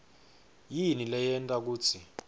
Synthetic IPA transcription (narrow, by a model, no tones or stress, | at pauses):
jinilɛjɛntʼak̬uːt͡sʰi